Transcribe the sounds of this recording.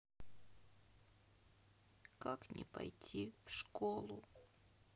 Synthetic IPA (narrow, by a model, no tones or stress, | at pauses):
kaknʲʔɪ̰pɐ̰jtʲʰifʂkolˠʊ